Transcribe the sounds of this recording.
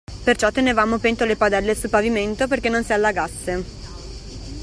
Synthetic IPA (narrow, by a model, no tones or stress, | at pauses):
pert͡ʃɔt̪ːenevaːmopent̪olepad̪ɛlːesulpaviment̪operkenːonsialːaɡasːe